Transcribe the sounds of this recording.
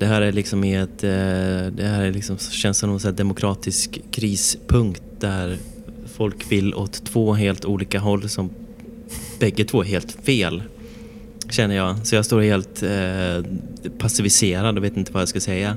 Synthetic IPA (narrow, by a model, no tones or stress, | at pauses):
d̪̥ɛɦæːɾæɭɪksɔmɪɛt̪ | d̪ɛhæːɾæɭɪksɔmɕɛnsɔmnɔsɛd̪ɛmʊkʰɾɑːt̪ɪskʰːɾiːspʰɵŋkt̪̚d̪æɾ | fɔlkvɪlːʔɔt̪ʰːvoːɦeːlt̪uːliːkaɦɔlːsɔm | b̥ɛɡːət̪ʰv̥oːæɾɦeːlt̪feːl | ɕɛnːəjɑːsɔjɑst̪oːɾheːlt̪ | pʰasɪvɪseːɾad̪veːt̪ɪnt̪əvaːd̪ɛskasɛjːa